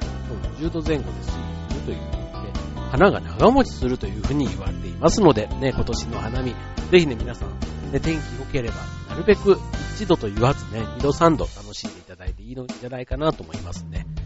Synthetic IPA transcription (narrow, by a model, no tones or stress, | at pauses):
sooʑɨːd̪o̞zẽ̞ŋɡo̞d̪esɨːosɨɾɯ̟t̪o̞jɯ̟ːkːɲid̪e̞hanaɡa̰naɡamo̞t͡ɕi̥sɨɾɯ̟t̪o̞jɯ̟ːɸɯ̟ːɲ̟iiβaɾet̪e̞imasɨno̞d̪e̞ne̞ko̞t̪o̞ɕino̞hanamʲi | d͡ze̞çine̞mʲinasã̰ŋne̞t̪ẽ̞ŋkʲioke̞ɾe̞ba̰naɾɯ̟be̞kɯ̟it͡ɕid̪o̞t̪o̞iβazɨne̞ɲʲid̪o̞sãnd̪o̞t̪ano̞ɕĩnd̪e̞it̪ad̪ait̪e̞iːod͡ʑanaikanat̪o̞ːmo̞imasɨ̥ne̞